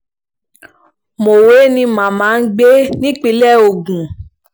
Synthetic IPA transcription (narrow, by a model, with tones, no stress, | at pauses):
mo˨we˨˦nĩ˧mã˨mã˨˦n̩˦ɡ͡be˦nĩ˦k͡pi˧˦lɛ˦˨o˨ɡũ˨